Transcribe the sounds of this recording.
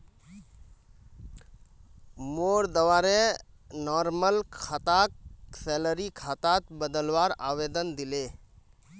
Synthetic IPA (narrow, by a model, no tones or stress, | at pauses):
moːɾd̪əʋaːɾe | nɔːɾməlkʰat̪aksɛləɾikʰat̪aːt̪bəd̪əlwaːɾaːʋed̪ənd̪ɪleː